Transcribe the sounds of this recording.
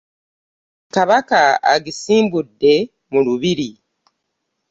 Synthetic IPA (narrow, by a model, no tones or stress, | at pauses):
kaβakaa̰ɡisiːmbudːe̞ | muluβiɾi